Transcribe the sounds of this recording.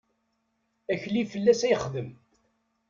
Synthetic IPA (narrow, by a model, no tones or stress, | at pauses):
æçlifəlːæsæjəχðəm